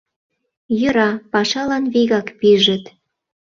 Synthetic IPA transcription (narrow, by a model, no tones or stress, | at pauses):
jəɾɑpɑʃɑlɑnβiɣɑkpiʒə̆t̪